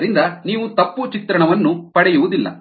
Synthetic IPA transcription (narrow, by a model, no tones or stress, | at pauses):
ɾind̪ɐniːʋut̪ɐpːut͡ʃit̪ɾɐɳɐʋɐnːupɐɽɛjuʋud̪ilːɐ̰